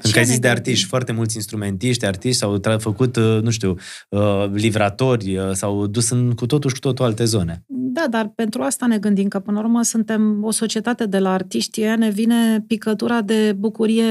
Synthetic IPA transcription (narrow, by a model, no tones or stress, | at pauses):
ɨŋkazit̪sʲd̪e̞art̪iʃt̪ʲfoart̪e̞mult̪sʲinst̪ɾume̞nt̪iʃt̪ʲart̪iʃt̪ʲsawt̪ɾafəkut̪nũʃt̪uw | əlivɾat̪o̞rʲəsawd̪usɨnkut̪o̞t̪uʃʲku̥t̪ot̪oalt̪e̞zo̞ne̞d̪ad̪arpe̞nt̪ɾuast̪ane̞ɡɨnd̪imkəpɨnəurməsunt̪e̞mo̞so̞t͡ʃie̞t̪at̪e̞d̪e̞laːrt̪iʃt̪ʲjejane̞vine̞pikət̪uɾad̪e̞bukuɾije̞